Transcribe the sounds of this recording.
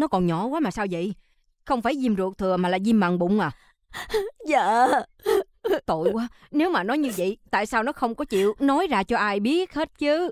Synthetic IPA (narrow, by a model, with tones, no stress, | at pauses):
nɔ˨˦kɔ˨˩nɲɔ˧˨˩kwaː˨˦maː˨˩saː˧wzə̰˧˨j | xə˧wŋ͡mfaː˧˩jzi˧mzu˨˩k̚t̪ʰɨ˨˩əmaː˨˩laː˨˩zi˧mːa˨ŋɓʊ̰˧˨wŋ͡mʔaː˨˩ | za̰ː˧˨ | t̪o̰˧˨jkwaː˨˦ | ne˨˦wmaː˨˩nɔ˨˦jɲɨ˧və̰˧˨jt̪a̰ː˧˨jsaː˧wnɔ˨˦xə˧wŋ͡mkɔ˨˦t͡ɕḭ˧˨əwnɔ˨˦jzaː˧t͡ɕɔ˧ʔaː˧jɓi˦˥ət̚he˦˥t̚t͡ɕɨ˨˦